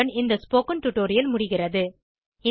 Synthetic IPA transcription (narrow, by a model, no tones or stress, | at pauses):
ɐnɪnd̪ɐspoːkɐnʈʊʈːoːɾɪjɐlmʊɽɪɣɪrɐðɯ | ɪ